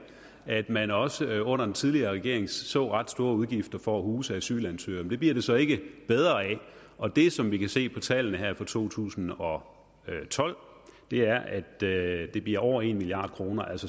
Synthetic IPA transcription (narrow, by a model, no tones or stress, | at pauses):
æd̥mænɒ̽səɔ̽n̰ɐd̥en̩t͡sʰið̞ˠliɐːʁɛɡ̥e̝ɐ̰e̝ŋsɔ̰̽ːʁɑ̈d̥sd̥o̝ːɐuðˠɡ̥ifd̥ɐfɒ̽æhuːsəæsy̰ːlænsøɒmd̥e̝b̥liɐɾ̥e̝sɒ̽e̝ɡ̥əb̥eð̞ˠʁɐːɛ | ʔɒ̽d̥e̝sɒ̽mʋikʰæse̝̰ːpʰɒ̽t͡sʰɛ̰ːlənəhæɐ̰fɒ̽t͡sʰo̝̰ːt͡sʰṵːsn̩ɒ̽ | t͡sʰɒ̽l̰ | d̥e̝æɐʔæd̥d̥e̝b̥liɐɒʊ̰ɐe̝nmiliɑ̈ːd̥̚kʰʁo̝ːnɐʔæl̰sɒ